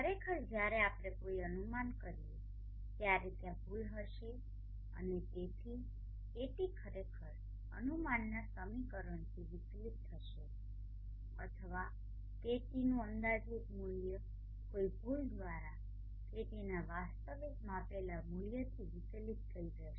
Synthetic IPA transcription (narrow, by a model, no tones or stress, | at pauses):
kʰəɾekʰəɾd͡ʒjaɾeapɽ̃ekoiənumankəɾi | t̪jaɾet̪jãbʱulɦəʃe | ə̰net̪et̪ʰi | eʈikʰəɾekʰəɾ | ə̰numanːasəmikəɾəɳt̪ʰiʋɪslit̪ʰːəʃe | ə̰t̪ʰəʋa | keʈinũənd̪ad͡ʒikmuljə | koibʱuld̪ʋaɾa | keʈinaʋast̪əʋesmãpelamulijət̪ʰiʋɪslit̪t̪ʰːəid͡ʒəʃe